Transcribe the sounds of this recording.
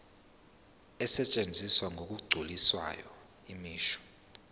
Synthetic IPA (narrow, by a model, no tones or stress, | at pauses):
ɛsɛt͡ʃʼend͡zʱiswaŋʱok̬ʼuɡ͡ǀʱuliswa̰jɔ | imiːʃɔ̥